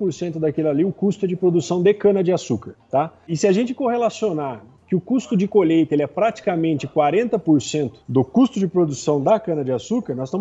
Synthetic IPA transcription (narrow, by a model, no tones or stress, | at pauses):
poɾsẽnt̪ʊd̪akelaliʊkust̪ʊɛd͡ʒɪpɾod̪usɐ̃w̃d̪ekɐ̃nɐd͡ʒɪasukɐɾt̪aɪsɪaʒẽnt͡ʃɪkohelasionaɾ | kɪʊkust̪ʊd͡ʒɪkolejt̪ɐelɪɛpɾat͡ʃi̥kamẽnt͡ʃɪkwaɾẽnt̪ɐpoɾsẽnt̪ʊ̥d̪ʊkust̪ʊd͡ʒɪpɾod̪usɐ̃w̃d̪ɐkɐ̃nɐd͡ʒɪasukɐɾnɔzst̪ɐ̃